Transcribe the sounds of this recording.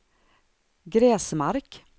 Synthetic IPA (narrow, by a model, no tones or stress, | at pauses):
ɡɾɛːsmaɾk